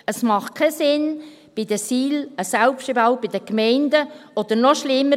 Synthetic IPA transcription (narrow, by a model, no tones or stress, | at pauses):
əsmɑχ̚kʰɛsɪn | b̥ɪd̥̪əsiːləsalpʃtɪbəɑʊb̥ɪd̥̪əkmɛɪndəɔd̥̪əɾnɔʃlɪmːə